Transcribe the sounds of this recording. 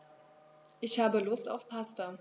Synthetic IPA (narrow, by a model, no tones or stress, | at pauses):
ʔɪçhaːbəlʊsta̰ʊfpʰastɐ